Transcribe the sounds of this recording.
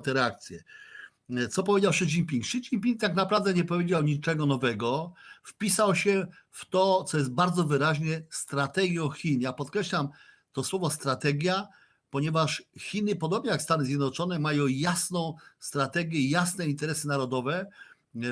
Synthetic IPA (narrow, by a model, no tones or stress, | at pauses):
t̪ɛɾɛak̚t̪sʲjɛ | t̪sɔpɔvʲed͡ʑawʂɘt͡ɕiŋpʲiŋkʂɘt͡ɕiŋpʲiŋk̚t̪aknapɾavd̪ɛɲɛpɔvʲjed͡ʑawɲit͡ʂɛɡɔnɔvɛɡɔfpʲisawɕɛ | ft̪ɔt̪sɔjɛzt̪̚baɾd̪zɔvɘɾaʑɲɛst̪ɾat̪ɛɡʲjɔ̃w̃xʲinjapɔt̪̚kɾɛɕlam | t̪ɔswɔvɔst̪ɾat̪ɛɡʲja | pɔɲɛvaʂxʲinɘpɔd̪ɔbɲɛjakst̪anɘzʲjɛd̪nɔt͡ʂɔnɛmajɔ̃w̃jasnɔ̃w̃st̪ɾat̪ɛɡʲjɛjasnɛint̪ɛɾɛsɘnaɾɔd̪ɔvɛ